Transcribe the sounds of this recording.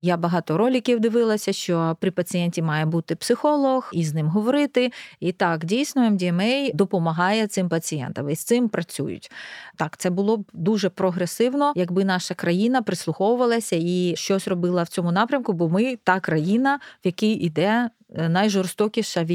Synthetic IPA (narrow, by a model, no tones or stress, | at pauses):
jabɐɦɑt̪ɔɾɔlʲɪkʲiwd̪ɪʋɪlˠɐsʲɐʃt͡ʃɔpɾʲɪpɐt͡sʲijɛnʲtʲimɑjɛbut̪ɪpsɪxɔlˠɔxiznɪmɦɔʋɔɾɪt̪ɪit̪ɑkdʲijsnɔɛmdʲiɛmɛjd̪ɔpɔmɐɦɑjɛt̪sɪmpɐt͡sʲijɛ̰nt̪ɐmist̪ɪmpɾʔɐt͡sʲṵjʊ̰tʲt̪ɑkt̪sɛbʊlˠɔbd̪uʒɛpɾɔɦɾesɪwnɔjɐɡbɪn̪ɑʃɐkɾɐjinɐpɾɪslˠʊxɔwʊʋɐlˠɐsʲɐiʃt͡ʃɔsʲrɔbɪlˠɐwt͡sʲɔmʊnɑpɾʲɐmkʊbɔmɪt̪ɑkɾɐjinɐwjɐkijid̪ɛ | nɐjʒɔrst̪ɔkʲiʃɐʋʲ